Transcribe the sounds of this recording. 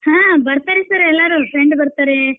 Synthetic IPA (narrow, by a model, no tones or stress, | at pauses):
hãːbɐɾt̪aːɾesɐɾɛlːaɾufɾeɳɖbɐɾt̪aɾe